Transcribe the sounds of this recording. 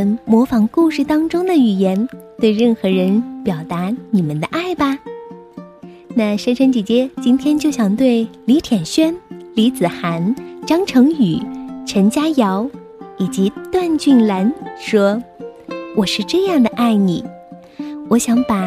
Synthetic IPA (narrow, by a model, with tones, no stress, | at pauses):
nmwɔ˧˥fɑ˧˥ŋku˥˧ʂɻ̩˥˩t̪ɑ˥ŋʈ͡ʂʊ˥ŋd̪ə˨y˨˩jɛ˧˥nt̪we˥˧ɪɻə˥˩nxɤ˧˥ɻə˧˥npjɑ˨˩ʊt̪a˧˥ni˨˩mə˨nd̪ə˧ʔa˥˩ɪbɐ˧ | na˥˩ʂə˥nʈ͡ʂʰə˧˥nt͡ɕi˧˥˩t͡ɕjɛ˥t͡ɕi˥nt̪ʰjɛ˥nt͡ɕjo˥˩ʊɕjɑ˨˩ŋt̪we˥˩ɪli˧˥t̪ʰjɛ˨˩nɕɥɛ˥nli˧˥t͡sɹ̩˨˩xa˧˥nʈ͡ʂɑ˥ŋʈ͡ʂʰɤ˧˥ŋy˨˩˦ʈ͡ʂʰə˧˥ŋt͡ɕja˥jɑ˧˥ʊ | i˨˩t͡ɕi˧˥t̪wa˥˧nt͡ɕy˥˩nla˧˥nʂwɔ˥ | wɔ˨˩ʂɻ̩˥˧ʈ͡ʂɤ˥˧jɑ˥˩ŋd̪ə˩ʔa˥˩ɪni˨˩˦ | wɔ˨˧˥ɕjɑ˧˥ŋpa˨˩